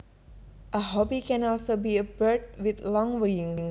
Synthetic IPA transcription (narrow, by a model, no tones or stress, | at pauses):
ʔəɦɔbikɛ̃nɔlsobiəbəd̚wɪθlɔ̃ŋwəjĩŋ̃ŋ